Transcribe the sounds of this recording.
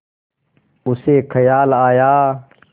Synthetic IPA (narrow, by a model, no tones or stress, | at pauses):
ʊseːkʰəjaːlaːjaː